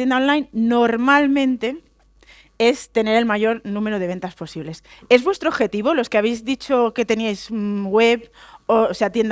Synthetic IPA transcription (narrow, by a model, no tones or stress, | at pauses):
jend̪aonlajnːoɾmalmẽ̞nt̪e̞ | est̪e̞ne̞ɾe̞lmaʝo̞ɾnũme̞ɾoð̞ee̞nt̪aspo̞siβle̞se̞zβwe̞st̪ɾoβxe̞t̪iβ̞o̞lo̞skeaβ̞ejzðit͡ʃo̞ke̞t̪e̞niajzwe̞βoseat̪je̞nd̪